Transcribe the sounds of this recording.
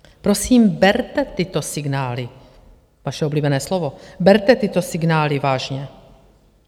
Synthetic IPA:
pɾosiːmbɛɾt̪ɛt̪ɪt̪osɪɡnaːlɪ | vaʃɛobliːbɛnɛːslovobɛɾt̪ɛt̪ɪt̪o̞sɪɡnaːlɪvaːʒɲɛ

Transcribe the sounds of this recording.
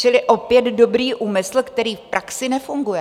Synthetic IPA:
t͡ʃɪlɪʔo̞pjɛd̪do̞bɾiːʔʔuːmɪsl̩kt̪ɛɾiːfpɾʔaksɪnɛfuŋɡujɛ

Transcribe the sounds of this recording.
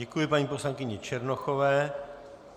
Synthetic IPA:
ɛkujɪpaɲiːposlaŋkɪɲɛt͡ʃɛɾnoxovɛː

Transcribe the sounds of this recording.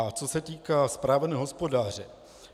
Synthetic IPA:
at͡sosɛt̪iːkaːspɾaːvnɛːɦospo̞daːr̝ɛ

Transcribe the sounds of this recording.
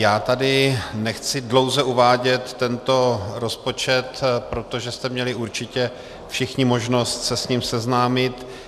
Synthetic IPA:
jaːt̪adɪnɛxt͡sɪdlo̞wzɛuvaːɟɛt̪ːɛnt̪o̞ɾo̞spo̞t͡ʃɛt̪pɾo̞t̪o̞ʒɛst̪ɛmɲɛlɪuɾt͡ʃɪcɛ | fʃɪxɲɪmo̞ʒno̞st̪sɛsɲimsɛznaːmɪt̪

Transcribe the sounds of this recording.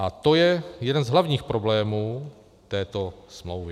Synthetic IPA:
ʔat̪o̞jɛjɛdɛnzɦlavɲiːxpɾo̞blɛːmuː | t̪ɛːt̪o̞smlowvɪ

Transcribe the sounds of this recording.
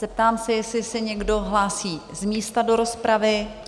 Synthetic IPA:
z̥ɛp̚t̪aːmsɛjɛslɪsɛɲɛɡdo̞ɦlaːsiːzmiːst̪ado̞ɾo̞spɾavɪ

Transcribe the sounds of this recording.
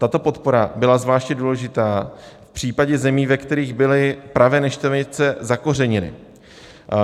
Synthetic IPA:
t̪at̪o̞po̞t̪po̞ɾabɪlazvlaːʃcɲɛduːlɛʒɪt̪aːfpr̝̥iːpaɟɛzɛmiːvɛkt̪ɛɾiːɣbɪlɪpɾavɛːnɛʃt̪ɛvɲɪt͡sɛzako̞r̝ɛɲɪnɪ̰

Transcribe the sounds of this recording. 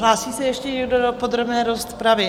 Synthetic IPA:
ɦlaːsiːsɛjɛʃcɛɲɛɡdodopod̪ɾo̞bnɛːɾost̪pɾavɪ

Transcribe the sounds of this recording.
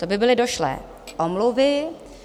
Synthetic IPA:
t̪obɪbɪlɪdoʃlɛ̰ː | ʔomluvɪ

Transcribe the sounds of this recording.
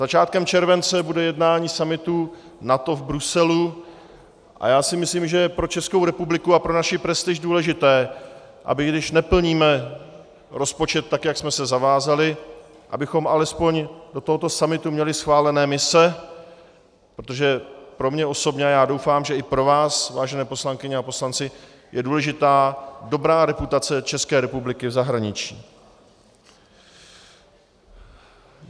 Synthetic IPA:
z̥at͡ʃaːt̪̚kɛmt͡ʃɛɾvɛnt͡sɛbudɛjɛdnaːɲiːsamɪt̪u | nat̪o̞vbɾusɛlu | ʔa̰jaːsɪmɪsliːmʒɛjɛpɾo̞t͡ʃɛskowɾɛpublɪkuapɾo̞naʃɪpɾɛst̪ɪʒduːlɛʒɪt̪ɛː | ʔa̰bɪɡdɪʃnɛpl̩ɲiːmɛ | ɾo̞spo̞t͡ʃɛt̪ːakjaksmɛsɛzavaːzalɪ | ʔa̰bɪxo̞mʔalɛspo̞ɲdo̞t̪oɦo̞t̪o̞samɪt̪umɲɛlɪsxvaːlɛnɛːmɪsɛ | pɾot̪o̞ʒɛpɾo̞mɲɛo̞so̞bɲɛajaːdo̞wfaːmʒɛɪpɾo̞vaːsvaːʒɛnɛːpo̞slaŋkɪɲɛapo̞slant͡sɪ | jɛduːlɛʒɪt̪aːdo̞bɾaːɾɛput̪at͡sɛt͡ʃɛskɛːɾɛpublɪkɪvzaɦɾaɲɪt͡ʃiː

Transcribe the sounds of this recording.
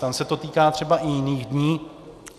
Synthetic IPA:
t̪amsɛt̪o̞t̪iːkaːt̪r̥ɛbaʔɪjɪniːɣdɲiː

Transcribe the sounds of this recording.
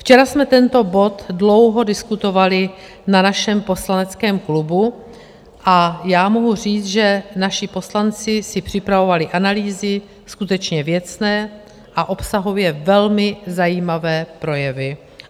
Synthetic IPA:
ft͡ʃɛɾasmɛt̪ɛnt̪o̞bo̞t̪dlo̞wɦo̞dɪskut̪o̞valɪ | nanaʃɛmpo̞slanɛt͡skɛːmklubu | ʔajaːmoɦur̝iːt͡s̪ʒɛnaʃɪpo̞slant͡sɪsɪpr̝̥ɪpɾavo̞valɪʔanaliːzɪ | skut̪ɛt͡ʃɲɛvjɛt͡snɛː | ʔaʔo̞psaɦovjɛvɛlmɪzajiːmavɛːpɾo̞jɛvɪ

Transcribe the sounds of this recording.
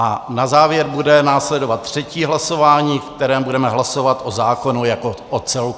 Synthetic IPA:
ʔanazaːvjɛɾbudɛnaːslɛdovat̪ːr̝̥ɛciːɦlaso̞vaːɲiːfk̚t̪ɛɾɛːmbudɛmɛɦlaso̞vat̪ʔozaːko̞nujakoʔot͡sɛl

